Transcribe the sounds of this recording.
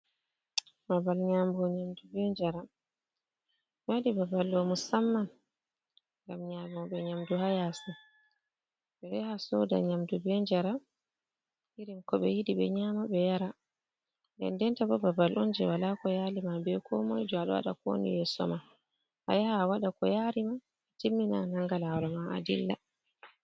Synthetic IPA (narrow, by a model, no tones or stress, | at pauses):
babalɲambɔɲamdubɛɲd͡ʒaɾa | wadibabalɗɔmusamːan | ŋɡamɲamaɓɛɲamduhajasi | ɓɛɛhasɔda̰ɲamdubɛɲd͡ʒaɾa | iɾimkɔɓɛjidiɓɛɲamaɓɛjaɾa | ndɛ̰ndɛntabɔbabalʔɔnd͡ʒɛwalakɔjaːlimabɛkʰɔmɔjd͡ʒɔaɗɔ̰wa̰ɗa̰ko̰nḭjɛsɔ̰ma | ʔajahaːwaɗakɔjaɾima | d͡ʒimːina̰naŋɡalaɾɔmaa̰dḭlːa̰